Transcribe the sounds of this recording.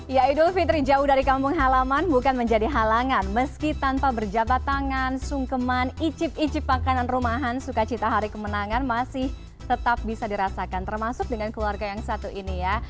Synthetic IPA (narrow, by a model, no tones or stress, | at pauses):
jaidʊlfit̪ɾid͡ʒaʊhdaɾikampʊŋɦalamanbukanməɲd͡ʒadiɦalaŋanməskit̪anpabərd͡ʒabat̪ːaŋansuŋkəmanit͡ʃɪp̚it͡ʃɪp̚makananrumaɦansukat͡ʃit̪aɦaɾikəmənaŋanmasɪh | t̪ət̪ap̚bisadiɾasakant̪ərmasʊk̚dəŋankəluarɡajaŋsat̪uʔinija